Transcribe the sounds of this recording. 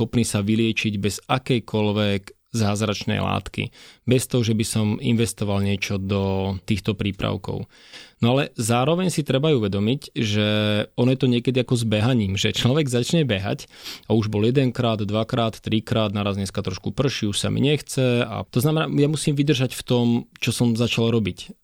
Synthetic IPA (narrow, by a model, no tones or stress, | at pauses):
xɔpniːsaʋilɪɛt͡ʃiɟbɛzakɛjkʰɔlʋɛɡ | zaːzɾat͡ʃnɛ̰jla̰ːt̪kḭbɛst̪ɔɦɔʒɛbisɔmḭnʋɛst̪ɔʋalɲɪɛt͡ʃɔd̪ɔt̪iːxt̪ɔpɾiːpɾa̰ʊkɔ̰ʊ | nɔalɛzaːɾɔʋɛɲsit̪ɾɛbajuʋɛd̪ɔmicʒɛɔnɔjɛt̪ɔɲɪɛkɛd̪iakɔzbɛɦaɲiːmʒɛt͡ʃlɔʋɛɡzat͡ʃɲɛbɛɦa̰cauʒbɔljɛd̪ɛŋkɾaːd̪ːʋakɾaːt̪ːɾikɾaːd̪̚naɾazɲɛskat̪ɾɔʃkupr̩ʃiuʃsa̰mḭɲɛxt͡sɛa̰t̪ɔznamɛna̰ːjamusiːmʋid̪r̩ʒacft̪ɔmt͡ʃɔsɔmzat͡ʃalɾɔbic